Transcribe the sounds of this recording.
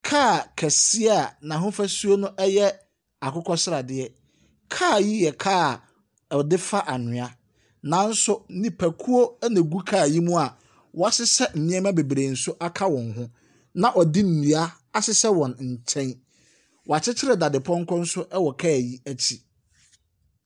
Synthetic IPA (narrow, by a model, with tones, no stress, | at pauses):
kʰaː˦˨kʰæ˨si˦a˦˨nã˨ɦʊ̃˦fæ˦su˦o˦nʊ̃˦ʔɛ˦jɛ˦ | a˨kʊ˦kʰɔ˦sɪ˦ɾa˨dɪ˦ɛ˦ | kʰaː˦˨ji˦jɛ˨kʰaː˦˨ | ɔ˨dɪ˦fa˦ʔa˨nʊ̃˨a˦ | nã˨˦n̩˦sʊ˦nĩ˨pʰæ˨kʰu˦o˦næ̃˨ɡu˦kʰaː˦˨ji˦mũ˦a˨ | wʔɔ˨a˦sɪ˦sɛ˦m̩˨mĩ˦ɛ̃˦mã˦be˨bɾe˨n̩˨sʊ˦ʔa˦kʰa˦wɔ̃˨nɦʊ̃˦ | nã˨ʔɔ˨di˦m̩˨nĩ˨a˦ | a˦sɪ˦sɛ˦wɔ̃˨nɲ̩˨t͡ɕʰɛ̃˦n | wɔ˨a˨t͡ɕʰɪ˦t͡ɕʰɪ˦ɾɛ˨da˨dɪ˨pʰɔ̃˦ŋ˦kʰɔ̃˦n̩˦sʊ˦ʔɛ˦wɔ˨kʰaː˦˨ji˦æ˦t͡ɕʰi˨